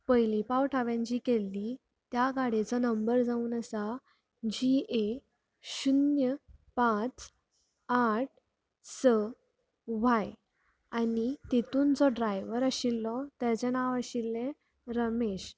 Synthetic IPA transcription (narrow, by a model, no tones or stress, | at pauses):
pəjlipawʈʰaʋjãɲt͡ɕiːkelːi | t̪jaɡaɽet͡sɔnəmbəɾd͡zauːnəsa | d͡ʑie | ɕunjəpãt͡s | aʈ̚ʰ | sə | ʋaj | anit̪et̪uːnd͡zɔɖɾajʋəɾəɕilːɔt̪jat͡ɕẽnaʋaɕilːẽ | ɾəmeɕ